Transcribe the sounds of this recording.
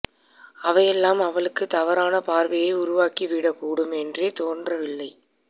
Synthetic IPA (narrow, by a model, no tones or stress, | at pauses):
ɐʋɐjɛlːaːmɐʋɐɭɯkːɯt̪ɐʋɐɾaːnɐpaːɾʋɐjɐɪʊɾʊʋaːkiʋiːɽɐkːuːɽɯmɛndreːt̪oːndrɐʋɪlːɐɪ